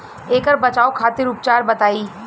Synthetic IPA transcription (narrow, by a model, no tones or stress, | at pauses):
eːkəɾbɐt͡ʃaːokʰaːt̪ɪɾʊpt͡ʃaːɾbɐt̪aːiː